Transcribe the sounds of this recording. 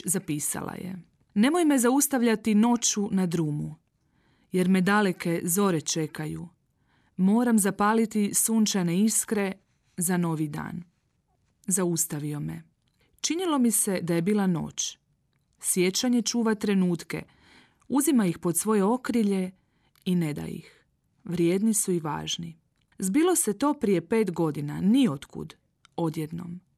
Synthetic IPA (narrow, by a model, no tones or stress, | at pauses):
zapiːsa̰lˠa̰jḛ | ne̞mo̞jme̞zaust̪aʋʎat̪ino̞t͡ʃunad̪ɾuːmu | je̞ɾme̞d̪ale̞ke̞zo̞ɾet͡ʃe̞kajṵ | mo̞ːɾamzapaːlit̪isuːnt͡ʃane̞iskɾe̞ | zano̞ʋid̪a̰ːn | zaust̪aʋio̞me̞ | t͡ʃinilo̞mise̞d̪aje̞biːlˠano̞̰ːt͡ʃ | sje̞t͡ʃaɲe̞t͡ʃuːʋat̪ɾe̞nuːt̪ke̞̰ | uzimaixpo̞d̪sʋo̞je̞o̞kɾiʎe̞ | ine̞d̪a̰jḭx | ʋɾje̞ːd̪nisuiʋa̰ːʒni | zbiːlˠo̞se̞t̪o̞ːpɾije̞pe̞ːt̪ɡo̞d̪inanio̞t̪kṵd̪ | o̞d̪jed̪no̰m